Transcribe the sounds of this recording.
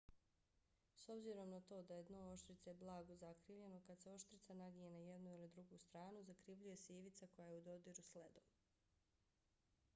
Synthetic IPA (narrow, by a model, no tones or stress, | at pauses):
so̞bziɾo̞mnat̪o̞ːd̪ajed̪nooʃt̪ɾit̪seblˠaːɡozakɾiːʋʎe̞no̞kad̪seo̞ʃt̪ɾit̪sanaɡijenaje̞d̪nuilid̪ɾuɡuːst̪ɾaːnuzakɾiʋʎuje̞seiʋit̪sako̞jajeud̪o̞d̪iɾusled̪om